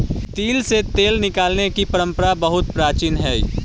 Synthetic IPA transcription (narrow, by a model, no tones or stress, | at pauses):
t̪iːlset̪eːlnɪkaːlnekipəɾə̃mpəɾabəɦʊt̪̚pɾaːt͡ʃiːnɦɛː